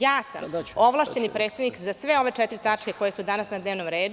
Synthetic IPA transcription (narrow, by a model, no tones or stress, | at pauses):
jaːsa̰mo̞ʋlˠaʃt͡ɕenipɾet̪st̪aʋnikzasʋe̞o̞ʋe̞t͡ʃɛt̪iɾit̪at͡ʂkʲeko̞jesud̪anasnad̪ne̞ːʋno̞mɾeːd̪u